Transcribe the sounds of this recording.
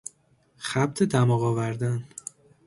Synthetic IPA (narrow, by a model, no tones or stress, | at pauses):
xæb̚t̪ʰed̪æmɒːɣɒːvæɾd̪æn